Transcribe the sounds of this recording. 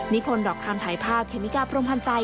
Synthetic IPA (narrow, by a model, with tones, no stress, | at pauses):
ni˦˥kʰo˧ndɔː˨˩k̚t̪ʰaː˧ŋt̪ʰaː˩˦jpʰaː˥˩p̚kʰe˧˩˦mi˦˥kaː˧pʰɾo˧mpʰa˧nt͡ɕa˧j